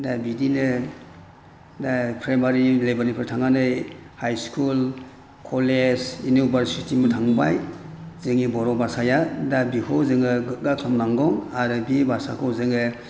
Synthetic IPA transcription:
dabidinɯ | dapʰɾajmaɾilejbaɾnipʰɯɾtʰaŋanɯjhajskʰul | kʰɔled͡ʒjunibaɾsitʰimɯtʰaŋbajzɯŋibɔɾɔbasajadabikʰɔwzɯŋɯɡɯɡatʰɔmnaŋɡɔŋaɾɯbibʱasa̰kʰɔwzɯŋɯ

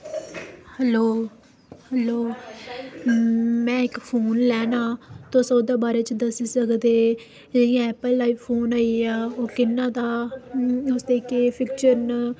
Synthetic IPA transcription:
hɛloː | hɛloː | mɛ̃ːɪkpʰoːnlɛːnãːt̪õːsoːd̪aːbaːɾeːt͡ʃd̪əsiːsəkd̪eː | d͡ʒejãːɛːpəlːaːiːpʰːoːnaːiaːoːkɪnːãːd̪aː | ʊsd̪eːkeːpʰɪkt͡ʃəɾn

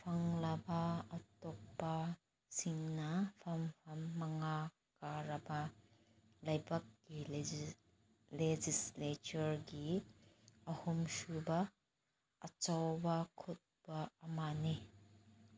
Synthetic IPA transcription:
pʰɐŋlɐbɐɐtɔk̚pɐ | siŋnɐpʰɐmpʰɐmːɐŋa | kaɾɐbɐ | lɐjbɐk̚ki | led͡ʒislet͡ʃɐɾɡi | ɐhumsubɐː | t͡ʃɐwbɐkʰut̚b̥ɐɐmani

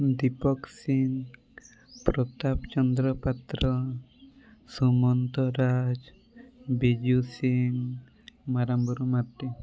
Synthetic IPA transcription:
d̪ipɔksiŋ | pɾɔt̪apt͡ʃɔnd̪ɾɔpat̪ɾɔ | sumɔnt̪ɔɾad͡ʒ | bed͡ʒusiŋ | maɾambɔɾumaʈːi

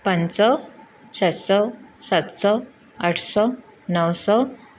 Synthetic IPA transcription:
pənsɔ | sat̪sɔsat̪sɔ | aʈʰsɔ | nəwsɔ

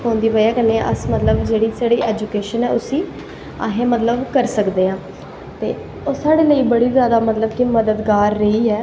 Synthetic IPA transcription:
kõːnd̪iːʋəjaːkənːḛ̃ːʔəsmət̪ləbd͡ʒeːɽiːsaːɽiːʔɛːd͡ʒuːkeːʃənɛːʊsĩː | a̰ːɦẽːmət̪ləbkəɾsəkd̪eːãː | t̪ḛː | oːsaːɽeːləiːbəɽiːzjaːd̪aːmət̪ləbkiməd̪əd̪ɡaːɾːəiːɛː

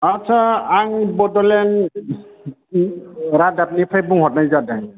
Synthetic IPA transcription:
atsʰaaŋbɔdɔlɛn | ɾadapnipʰajbuŋɦɔtnajzadaŋ

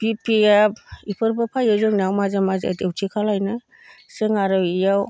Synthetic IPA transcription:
b̥ipijabipʰɯɾbɯpʰajɯzɯŋnawmazamaza̰dewtʰikʰalajnɯ | seŋaɾɯwijaw

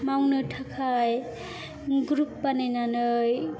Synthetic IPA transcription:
mawnɯtʰakʰaj | ɡɾupːanajnanɯj

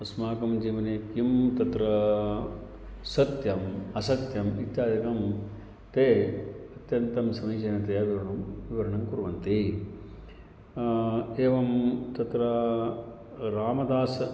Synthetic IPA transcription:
ɐsmaːkɐmd͡ʒiːʋɐneːkimt̪ɐt̪ɾɐ | sɐt̪jɐmɐsɐt̪jɐmit̪jaːd͡ʒɐkɐm | t̪eːɐt̪jɐnt̪ɐmsɐmiːt͡ʃɐnɐt̪ɐjɐʋiʋɐɾɐɳumʋiʋɐɾɐɳɐŋkuɾʋɐnt̪i | eːʋɐmt̪ɐt̪ɾɐ | ɾaːmɐd̪aːs

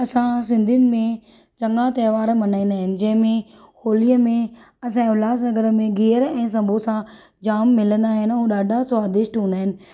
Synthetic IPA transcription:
ɐsãs̬ɪ̃nd̪ʱiʊnɪ̆mẽ | t͡ɕɐ̃ŋɡãt̪ɐːʋaːɾmɐnaːĩnd̪aːɦɪnɪ̆d͡ʑɐ̃ɦɪ̃mẽ | hoːlijəmẽ | ɐsãʊlaːs̬nɐɡəɾə̆mẽɡeːəɾɛ̃ːs̬ɐ̃mbʱosã | d͡ʑaːmːɪlə̃nd̪aːɦɪnɪ̆ɦũːɗaːɖʱasʋaːd̪ɪʃʈɦũːnd̪aːɦɪnɪ̆

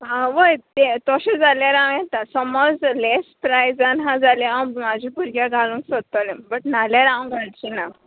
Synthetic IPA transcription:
ɦãʋəjt̪et̪ɔɕed͡zaljaɾãw̃jet̪asɔmɔd͡zlespɾajd͡zanɦãd͡zalẽamad͡ʑʱipuɾɡjaɡʱalũːŋksʋəd̪̚t̪ɔlẽbəʈnaljaɾãʋ̃ɡʱaɽt͡ɕina

